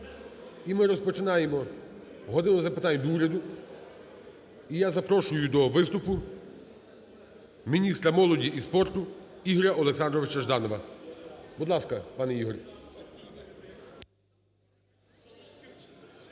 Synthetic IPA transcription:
imɪɾɔspɔt͡ʃɪnɑjemɔ | ɦɔd̪ɪʋ̪ˠɔzɐpɪt̪ɑnʲd̪uɾʲɐd̪ʊ | ijazɐpɾɔʃʊjʊd̪ɔʋɪst̪ʊpʊ | mʲinʲist̪ɾɐmɔlˠɔdʲiʔispɔrt̪ʊ | iɦɔɾʲɐɔlˠeksɑnd̪ɾɔʋɪt͡ʃɐʒd̪ɑnɔʋɐ | bʊd̪lˠɑskɐpɑnɛiɦɔɾʲ

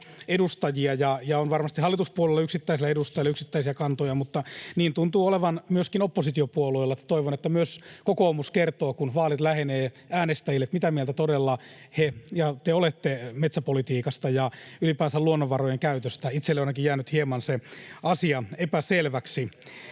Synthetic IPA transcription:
edust̪ɑjiɑjɑjɑonʋɑrmɑst̪ihɑlːit̪uspuolelːɑyksit̪ːæisilːæedust̪ɑjilːɑyksit̪ːæisiækɑnt̪ojɑmut̪ːɑniːnt̪unt̪uːoleʋɑnmyøskinopːosit̪iopuoluelːɑt̪ːe̥t̪oiʋonet̪ːæmyøskokoːmuskert̪oːkunʋɑːlit̪læheneː | æːnest̪æjilːet̪mit̪æmiɛelt̪æt̪odelːɑ | hejɑt̪eolet̪ːemet̪sæpolit̪iːkɑst̪ɑjɑylipæːnsæluonːoʋʋɑrojeŋkæyt̪øst̪æit̪selːeonɑkijjæːnyt̪hiemɑnseɑsiɑepæselʋæksi

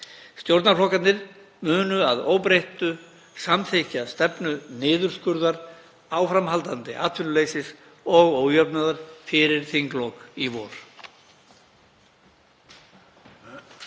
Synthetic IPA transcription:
st̪jowɾt̪naɾflɔhkat̪nɪɾ | mʏːnʏaðoːwpɾejht̪ʏ | samθʰejcast̪ɛpnʏnɪːðʏɾ̥skʏɾðaɾ | aːwfɾamɦalt̪ant̪ɪʔa̰t̪ʰfɪnʏleːjsɪs | ɔɣoːwjœpnaðaɾ̥fɪɾɪɾ̥θiŋklɔkivɔːɾ̥

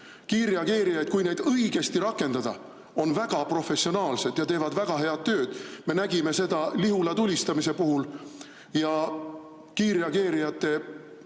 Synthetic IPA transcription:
kiːɾiɑɡe̞ːɾijɑjd̪̥̚kujne̞jd̪ɤiɡ̥e̞st̪iɾɑkːˑe̞nd̪ɑd̪̥ɑ̰ | o̞nvæɡ̥ɑpro̞fe̞sio̞nɑːlse̞d̪̥jɑt̪e̞ːvɑd̪̥væɡ̥ɑɦe̞ɑd̪̥̚t̪ːø̞ːd̪̥me̞næɡ̥ime̞se̞d̪̥ɑliɦulɑt̪ulʲist̪ɑmise̞puɦul | jɑ | kiːɾiɑɡe̞ːɾijɑt̪ːˑe̞

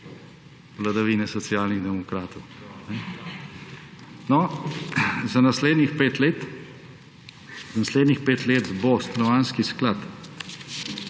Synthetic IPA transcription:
ʋlad̪aʋiːnɛsɔt̪sijaːlniɣd̪ɛmɔkɾaːt̪ɔwnɛ | nɔ | zanasleːd̪nixpeːt̪let̪ | zanasleːd̪nixpeːt̪leːt̪bost̪ɾɔʋaːnskisklat̪

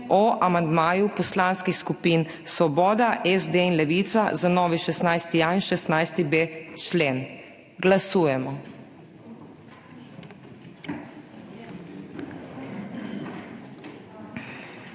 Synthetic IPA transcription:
ɔʔamand̪maːjupɔslanskixskupin | sʋɔbɔːd̪aʔɛzd̪einlɛʋit̪sazanɔːʋiʃɛst̪najst̪ianʃɛst̪najst̪ibet͡ʃleːn | ɡlasuːjɛmɔ

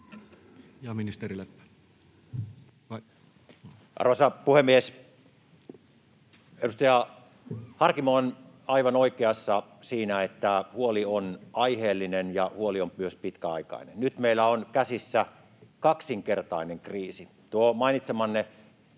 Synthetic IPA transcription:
jɑminist̪erile | ʔɑ̰rʋɑsɑpuhemːies | edust̪ɑjɑ | hɑrkimon | ɑiʋɑnoikeɑsːɑsiːnæet̪ːæhuolionɑiheːlːinenjɑhuoliompyøspit̪kæɑikɑ̰ˑinḛnnyt̪meilːˑæonkæsisːæ | kɑksiŋkert̪ɑˑineŋkriːsi | t̪uomɑˑinit̪semɑnːe

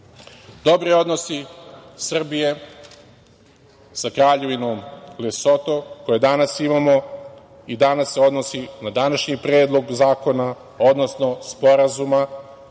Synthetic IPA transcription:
d̪o̞bɾio̞d̪no̞sisr̩bije̞ | sakɾaːʎe̞ʋinomleso̞t̪o̞ko̞jed̪anasimamo̞ | id̪anasːe̞o̞d̪nosinad̪anaʃɲipɾeːd̪lˠo̞ɡzaːko̞na | o̞d̪no̞snospo̞ɾazuma

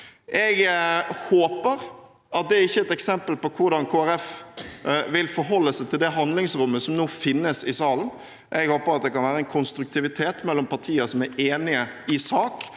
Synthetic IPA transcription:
ʔɛɡhoːpəɾ | ɑt̪̚d̪ɛæɾɪçːəɛt̪ɛksɛmpəlpɔkʰʊɾɖ̪ɑnkʰoːæɾɛf | ʋɪlfɔɾɦɔlːəsɛɪt̪ʰɪld̪ɛɦɑnd̪lɪŋsɾʊmːəsɔmnoːfɪnːəsɪsɑːln̩ | ʔɛɡhoːpəɾɑt̪̚d̪ɛkɑnʋæːɾəɛnkʰʊnst̪ɾʉk̚t̪ʰɪʋɪt̪ʰeːt̪mɛlːɔmpɑɾt̪ʰiːəsɔmæɾeːnɪəɪsɑːk

